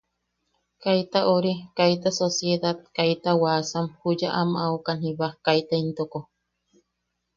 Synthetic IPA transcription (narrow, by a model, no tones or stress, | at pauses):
kajt̪aʔoɾikajt̪̬asosjeðat̪̚kajt̪awaːsamhud͡ʒaʔamawkanhĩβakait̪aint̪oko